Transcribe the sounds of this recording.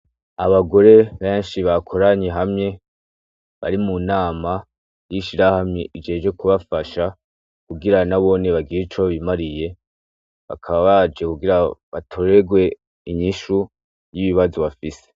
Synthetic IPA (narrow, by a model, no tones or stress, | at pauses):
aβaɡo̞ɾe̞βeːnʃiβakʰo̞ɾaɲeɦamɲe̞ | βa̰ɾimunaːma | jiʃiɾahamɲeʔid͡ʒe̞ːd͡ʒwe̞kuβafaʃa | kuɡiɾanaβo̞neβaɡiɾit͡ʃoβaβimaɾije̞ | βa̰kʰaβaβad͡ʒe̞kuɡiɾaβatʰo̞ɾe̞ɡwe̞ | iɲiʃu | jiβiβazoβafise̥